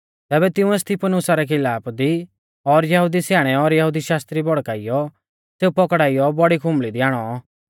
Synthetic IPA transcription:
t̪ɛːbɛt̪ɪ̃ũeːst̪ʰipənʊsaɾɛkʰɪlaːpd̪i | ɔɾjɐɦud̪isjaːɽ̃ɛɔɾjɐɦud̪iʃaːst̪ɾibɔɽkaːɪjɔ | seːupɔkɽaːijɔbɔɽikʰʊ̃mlid̪ɪaːɽ̃ɔ

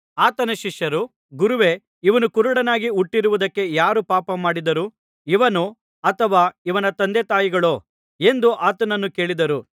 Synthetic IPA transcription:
aːt̪ɐnɐʃiʂjɐɾu | ɡuɾuʋe̞ | iʋɐnukuɾuɽɐnaːɡiuʈːiɾuʋud̪ɐkːe̞jaːɾupaːpɐmaːɽid̪ɐɾu | iʋɐnu | ɐt̪ʰɐʋaːiʋɐnɐt̪ɐnd̪et̪aːjiɡɐɭoː | e̞nd̪uʔaːt̪ɐnɐnːuke̞ːɭid̪ɐɾu

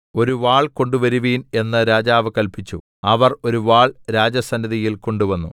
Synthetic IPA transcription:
o̞ɾuʋaːɭko̞ɳɖuʋɐɾuʋiːne̞nːɐɾaːd͡ʑaːʋɨkɐlpit͡ɕːu | ɐʋɐro̞ɾuʋaːɭɾaːd͡ʑɐsɐnːiðijilko̞ɳɖuʋɐnːṵ

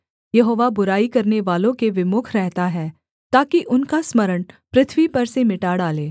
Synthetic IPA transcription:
jɐɦoːʋabʊɾaːikɐɾneʋaːlõkeʋɪmʊkʰɾɛɦt̪aɦɛː | t̪aːkiʔʊnkasmɐɾəɳpɾɪt̪ʰʋipɐɾsemɪʈaːɽaːleː

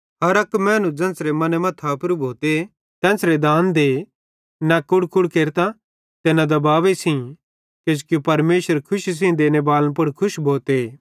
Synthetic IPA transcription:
ɦɐɾɐkmɛ̃ːnũd͡ʒɛ̃ːsɾemɐnemɐ̃t̪ʰapɾubʱoːt̪e | t̪ɛ̃ːsɾed̪aːnd̪e | nakʊɽkʊɽkeːɾt̪a | t̪enad̪ɐbaːʋesʰĩ | ked͡ʒkjupɐɾmeːʃʋəɾkʰʊʃis̬ĩd̪eːnebaːlə̃np̬ʊɽkʰʊʃbʱoːt̪e

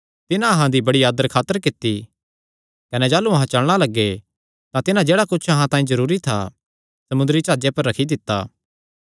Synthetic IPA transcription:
t̪ɪnãɐɦãd̪ibɐɽiaːd̪əɾkʰaːt̪əɾkɪt̪ːi | kɐnɛd͡ʒaːluɐɦãt͡ʃɐɭɽ̃alɐɡːe | t̪ãt̪ɪnãd͡ʒeːɽakʊt͡ʃʰɐɦãt̪aːĩzɐɾuːɾit̪ʰa̰ | sɐmʊnd̪əɾit͡ʃaːd͡ʒepɐɾːɐkʰid̪ɪt̪ːa̰ː

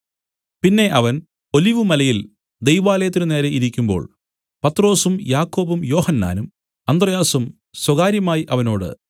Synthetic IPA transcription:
pinːe̞ʔɐʋɐn | o̞liʋumɐlɐjil | d̪ejʋaːlɐjɐt̪ːiɾune̞ːɾeiɾikʲːumbo̞̰ːɭ | pɐt̪ro̞ːsumjaːkːo̞ːbumjo̞ːhɐnːa̰ːnum | ɐnd̪rɐjaːsum | swɐɣaːɾjɐmaːjiʔɐʋɐno̞ːɽɨ̰

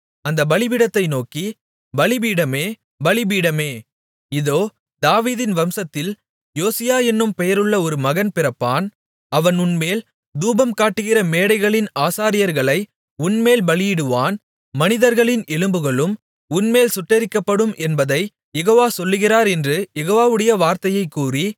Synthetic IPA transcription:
ɐnd̪ɐbɐɭɪbɪɽɐt̪ːɐɪnoːki | bɐɭɪbiːɽɐmeː | bɐɭɪbiːɽɐmeː | ɪðoː | d̪aːʋiːðɪnʋɐmsɐt̪ːɪl | joːsɪjaːɛnːɯmpɛjɐɾɯɭːɐɔɾɯmɐɣɐnpɪrɐpːaːn | ɐʋɐnʊnmeːl | d̪uːbɐmkaːʈːɯɣɪrɐmeːɽɐɪɣɐɭɪnaːsaːɾɪjɐɾɣɐɭɐɪ | ʊnmeːlbɐɭɪjɪɽɯʋaːn | mɐnɪðɐɾɣɐɭɪnʔɛlɯmbɯɣɐɭɯm | ʊnmeːlsʊʈːɐɾɪkːɐpːɐɽɯmʔɛnbɐðɐɪ | jɛɣoːʋaːsɔlːɯɣɪraːɾɛndrɯjɛɣoːʋaːʋɯɽɐjɐʋaːɾt̪ɐjɐɪkːuːri

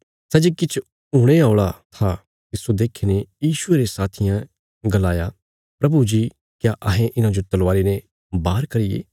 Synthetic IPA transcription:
sɛd͡ʒikɪt͡ʃʰ | ũːɽ̃eaːʊɽat̪ʰa | t̪ɪsod̪eːkʰenejiːʃʊeɾesaːt̪ʰɪjã | ɡɐlaːja | pɾɐbud͡ʒi | kjaʔɐɦẽʔɪnãd͡ʒot̪ɐlʋaːɾene | baːɾkɐɾɪjḛː

